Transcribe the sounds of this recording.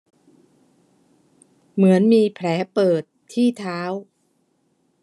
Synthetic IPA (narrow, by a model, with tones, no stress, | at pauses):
mɯ˩˦ənmiː˧pʰlɛː˩˦pɤː˨˩t̪ʰːiː˥˩t̪ʰaː˦˥w